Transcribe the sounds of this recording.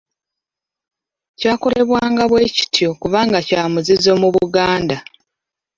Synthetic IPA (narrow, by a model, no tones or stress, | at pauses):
caːko̞le̞βwaːŋɡaβwe̞ːci̥tjo̞kuβaːŋɡacaːmuzizo̞muβuɡaːnda